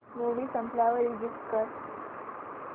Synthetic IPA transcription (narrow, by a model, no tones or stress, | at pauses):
muʋiːsəmplaʋəɾilɡiskəɾ